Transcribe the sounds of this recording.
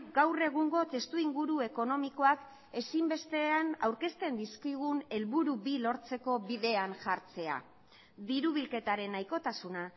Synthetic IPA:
ɡawre̞ɣ̞uŋɡo̞t̪e̞st̪uiŋɡuɾue̞ko̞no̞miko̞ak | e̞simbe̞st̪e̞ana̰wɾke̞st̪e̞nd̪iskiɣ̞une̞lβuɾuβilo̞ɾt͡se̞ko̞βiðe̞anʝaɾt͡se̞a̰ | ðiɾuβ̞ilke̞t̪aɾe̞najko̞t̪asuna

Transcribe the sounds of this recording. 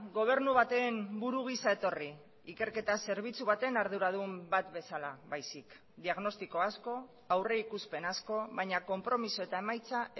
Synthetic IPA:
ɡo̞β̞e̞ɾnuβ̞at̪e̞ːmbuɾuɣ̞isae̞t̪o̞ri | ike̞ɾke̞t̪ase̞ɾβ̞it͡suβ̞at̪e̞naɾð̞uɾaðumbat̪be̞salaβajsik | d̪iaɣno̞st̪iko̞asko̞ | awre̞ikuspe̞nasko̞βajɲako̞mpɾo̞miso̞e̞t̪ae̞majt͡sa

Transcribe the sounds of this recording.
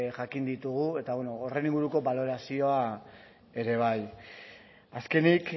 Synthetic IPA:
ʝakind̪it̪uɣ̞ue̞t̪aβeno̞ore̞niŋɡuɾuko̞βalo̞ɾasio̞a | e̞ɾe̞β̞aj | aske̞nik

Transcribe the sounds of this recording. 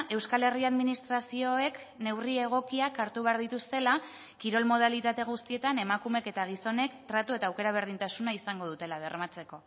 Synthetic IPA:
ʔe̞wskale̞riaðminist̪ɾasio̞e̞k | ne̞wrie̞ɣ̞o̞kiakaɾt̪uβ̞eaɾðit̪ust̪e̞la | kiɾo̞lmo̞ð̞alit̪at̪e̞ɣ̞ust̪ie̞t̪ane̞makume̞ke̞t̪aɣ̞iso̞ne̞kt̪ɾat̪ue̞t̪aːwke̞ɾaβ̞e̞ɾð̞int̪asunaisaŋɡo̞ð̞ut̪e̞laβe̞ɾmat͡se̞ko̞

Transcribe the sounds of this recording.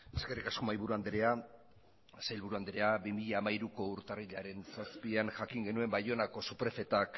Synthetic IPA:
eske̞rikasko̞majβuɾuand̪eɾea | sajlβuɾuand̪eɾe̞abimiʎaːmaiɾuko̞uɾt̪ariʎaɾe̞nsaspiaŋʝakiŋɡe̞nue̞mbajo̞nako̞supɾe̞fe̞t̪ak

